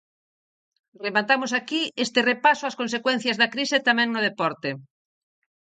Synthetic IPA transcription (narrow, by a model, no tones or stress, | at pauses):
remat̪amʊsakiest̪ɪrepasoaskonsekwɛn̟θjazðakɾiset̪amɛ̃ŋnʊðepɔɾt̪e